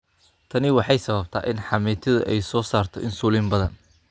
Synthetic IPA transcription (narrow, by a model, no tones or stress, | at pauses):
t̪ʰɐnɪwɑħɑjsɐβɐbt̪ʰa̰ːʔɪnħɑmɛːt̪ʰɐðʊʔɛjsɔːsaːrt̪ʰɔ̰ʔɪnsuːlɪmbɐðɐn